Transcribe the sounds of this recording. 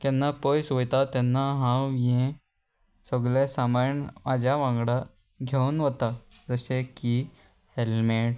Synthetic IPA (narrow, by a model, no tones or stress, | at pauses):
kɛ̃nːapəjsʋəjt̪at̪ɛnːaɦãwjẽ | səɡlẽsamaɾɳmad͡ʑʱjaʋãŋɡɽa | ɡʱenʋət̪ad͡zəɕeki | helmeʈ